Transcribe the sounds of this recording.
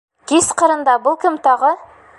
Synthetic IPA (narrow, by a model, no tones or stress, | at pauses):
kisqɤ̆ɾɤ̆nd̪ɑbɤlˠkɘmt̪ɒʁɤ